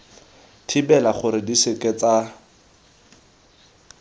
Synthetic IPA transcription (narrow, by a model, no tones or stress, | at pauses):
tʰibɛlaχʊɾɪdisɪkɛt͡sa